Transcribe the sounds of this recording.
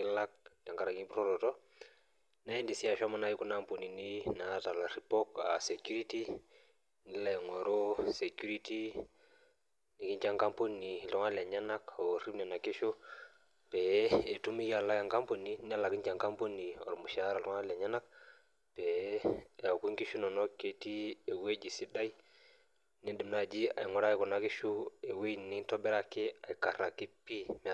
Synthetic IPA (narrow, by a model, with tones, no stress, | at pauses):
ɪ˦la˦k̚ja˨ŋka˨ɾa˨ŋi˦pɾo˦ɾɔ˨tɔ˦ | na˦i˦ndi˨si˦a˨ʃa˦ma˦na˦ji˦ku˦na˦˨mpo˨ni˨ni˦na˨˦ta˨la˨ɾi˨pɔ˦ka˨se˨kju˦ɾi˦ti˦ | ni˦la˦jɛ˨ŋɔ˨ɾo˦se˨ku˦ɾi˦ti˦ | ni˨˦kɪ˦ɲt͡ʃa˦ŋka˦mpo˦ni˨lɔ˦ŋa˦la˨ɲa˦na˦kɔ˨ri˦mnɛ˨na˨kɪ˦ʃo˦ | pɛ˨˦e˨tu˦mi˦ja˨lːa˦ja˨ŋka˦mpo˨ni˦n˦a˦lːa˨ki˦ɲd͡ʒa˨ŋka˦mpo˦ni˨ɔ̰˨ɾmu˨ʃa˨˦ɾa˨lɔ˨ŋa˦la˨ɲa˦na˦k̚ | pe˨ | a˨ku˦ŋki˦ʃu˦nɔ˨nɔ˦kːe˨ti˦e˨we˦d͡ʒi˨si˦da˦i˦ | ni˦di˨mna˨d͡ʒi˦a̰˨jŋɔ˦ɾa˦i˦ku˨na˨ki˦ʃu˦e˨we˦˨ni˦tɔ˦bɛ˦ɾa˦ki˦a˨i˨ka˨ɾa˨kːi˦pi˦m˨